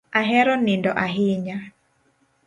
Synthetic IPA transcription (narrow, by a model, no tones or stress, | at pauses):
aɦɛɾɔnɪndɔʔaɦɪɲa